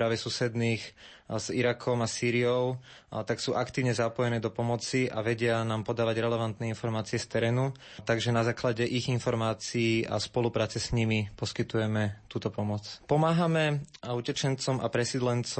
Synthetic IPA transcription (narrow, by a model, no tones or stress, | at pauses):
pɾaːʋɛsusɛd̪niːx | z̥iɾakʰɔmasiːɾiɔʊ | t̪aksuːʔakt̪iːʊɲɛzapɔjɛnɛːd̪ɔpɔmɔt͡siʔa̰ʋɛɟɪanaːmpɔd̪aːʋaɟɾɛlɛʋant̪nɛinfɔɾmaːt͡siɛst̪ɛɾɛːnu | t̪aɡʒɛnazaːklaɟɛʔiɣinfɔɾmaːt͡siiːʔa̰spɔlupɾaːt͡sɛsɲimipɔskit̪ujɛmɛt̪uːt̪ɔpɔmɔt͡spɔmaːɦamɛucɛt͡ʃɛnt͡sɔma̰pɾɛsid̪lɛnt͡s